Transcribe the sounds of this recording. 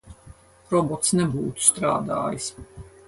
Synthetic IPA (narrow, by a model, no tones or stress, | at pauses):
ɾɔbɔt̪snɛbuːt̪u̥st̪ɾa̰ːd̪a̰ːjis